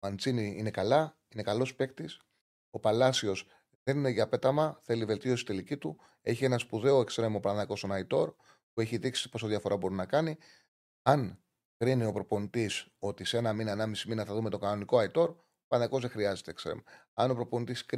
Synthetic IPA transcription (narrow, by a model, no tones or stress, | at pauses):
ɐnt͡siniine̞kɐlɐ | ine̞kɐlo̞spe̞kt̪is | o̞pɐlɐsio̞s | ðe̞nine̞ʝɐpe̞t̪ɐmɐθe̞live̞lt̪io̞sit̪e̞licit̪u | e̞çie̞nɐspuðe̞oekst̪ɾemo̞pɾɐnɐko̞st̪onɐit̪o̞ɾ | pue̞çiðiksi̥po̞soðjɐfo̞ɾɐbo̞ɾinɐkɐni | ɐn | kɾinio̞pɾo̞po̞nit̪iso̞t̪iseenɐminɐːnɐmisiminɐθɐðume̞t̪oɡɐno̞niko̞ɐit̪o̞ɾ | opɾɐnɐko̞zðe̞xɾiɐze̞t̪ekst̪ɾḛmɐno̞pɾo̞po̞nit̪isk